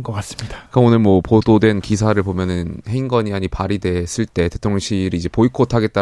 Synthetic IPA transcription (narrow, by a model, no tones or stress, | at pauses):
nɡʌk͈as͈ɯ̥mɲid̥ak͈aonɯɭmwʌpododwe̞nkisʰaɾɯɭbomjʌnɯnheiŋɡʌɲiaɲipaɾidwe̞s͈ɯɭt͈e̞tetʰoŋɕʰiɾiːd͡ʑe̞poikʰotʰaɡe̞t̚t͈a